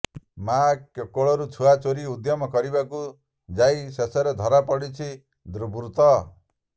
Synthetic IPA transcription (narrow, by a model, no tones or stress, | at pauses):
makjɔkɔɭɔɾut͡ʃʰuat͡ʃoɾiud̪jɔmɔkɔɾibaku | d͡ʒajsesɔɾed̪ʱɔɾapɔɽit͡ʃʰi | d̪ɾubɾut̪ɔ